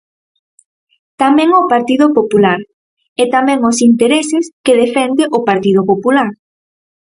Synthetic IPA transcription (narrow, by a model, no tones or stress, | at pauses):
t̪amɛ̃ŋʊpaɾt̪iðʊpopulaɾ | ɛt̪amɛ̃ŋʊsint̪eɾesɪskeðefɛnd̪ɪʔʊpaɾt̪iðopopulaɾ